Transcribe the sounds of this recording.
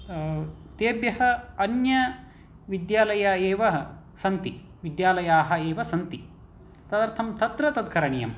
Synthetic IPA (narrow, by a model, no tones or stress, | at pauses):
t̪eːbjɐɦɐ̆ɐnjɐ | ʋid̪jaːlɐjaeːʋɐɐ | sɐnt̪i | ʋid̪jaːlɐjaːɦɐ̆eːʋɐsɐnt̪i | t̪ɐd̪ɐɾt̪ʰɐmt̪ɐt̪ɾɐt̪ɐd̪̚kʰɐɾɐɳijɐm